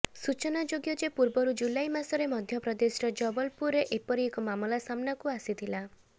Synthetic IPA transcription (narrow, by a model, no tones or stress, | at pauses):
sut͡ʃɔnad͡ʒoɡjɔd͡ʒepuɾbɔɾud͡ʒulajmasɔɾemɔd̪ʱjɔpɾɔd̪esɾɔd͡ʒɔbɔlpuɾeʔepɔɾiekɔmamɔlasamnakuasit̪ʰila